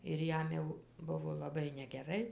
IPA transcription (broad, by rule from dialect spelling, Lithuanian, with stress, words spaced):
ɪr ˈjɛm jɛʊ ˈbʊʋoː lˠɐˈbɐɪ nʲɛɡʲɛˈrɐɪ